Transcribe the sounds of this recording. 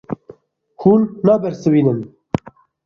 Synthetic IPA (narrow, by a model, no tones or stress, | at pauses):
huːnːɑːbɛɾsɨwiːnɨn